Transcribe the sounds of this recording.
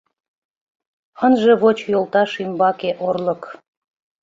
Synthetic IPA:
ənʒeβot͡ɕjolˠt̪ɑʃimbɑkeʔorlək

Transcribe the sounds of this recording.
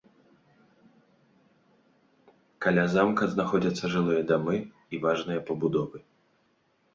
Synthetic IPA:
kalʲazamkɐznaxɔd͡zʲɐt̪sːɐʐɨlˠɨjɐd̪amɨ | ivaʐnɨjɐpɐbud̪ɔvɨ

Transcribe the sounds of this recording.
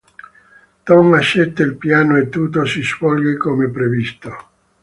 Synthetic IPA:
t̪ɔmaʃet̪ːeilpjaːnoet̪ːuːt̪osisfɔlɡekomepɾevist̪o

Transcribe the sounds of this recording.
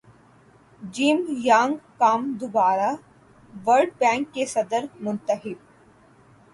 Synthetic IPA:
d͡ʒiːmjãːŋɡkaːmd̪ʊbaːɾa | ʋəɾɖpɛ̃ːŋkːesɐd̪əɾmʊ̃nt̪əɦɪb̚

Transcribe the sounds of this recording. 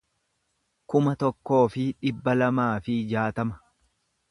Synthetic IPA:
kʊmɐt̪ɔkːo̞ːfɪᶑɪbːɐlɐmaːfɪd͡ʒaːt̪ɐmɐ̥

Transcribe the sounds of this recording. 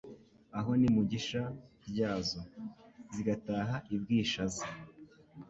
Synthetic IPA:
aɦo̞nimuɟiʃaɾɟaːzo̞ziɡataːɦaʔibɡiːʃaza

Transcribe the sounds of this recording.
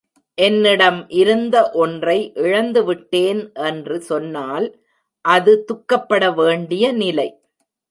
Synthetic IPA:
ʔɛnːɪɽɐmʔɪɾɯnd̪ɐʔɔndrɐɪʔɪɻɐnd̪ɯʋɪʈːeːnʔɛndrɯsɔnːaːl | ʔɐðɯt̪ʊkːɐpːɐɽɐʋeːɳɖɪjɐnɪlɐɪ

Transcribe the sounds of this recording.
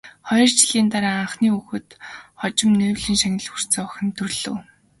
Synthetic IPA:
χɔjɞ̆rt͡ɕɪ̆ɮiːnt̪aɾaːaɴχniːuxɘ̆t̪χɔt͡ɕɪ̆mnɵːwɮĭŋʃaŋʲɪ̆ɮxur̥t͡sɘ̆ːɔxʲɪ̆nt̪ɵrɮɘ̰̆w

